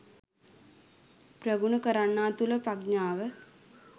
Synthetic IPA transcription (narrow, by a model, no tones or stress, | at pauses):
prəɡunəkəɾanːaːt̪uləpraɡɲaːʋə